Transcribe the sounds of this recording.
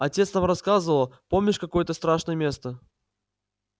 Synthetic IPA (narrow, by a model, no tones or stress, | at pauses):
ɐtʲet̪snamrɐskazəvəlˠəpo̞mnʲɪʂkɐko̞jət̪əst̪ɾaʂnəjəmʲe̞st̪ə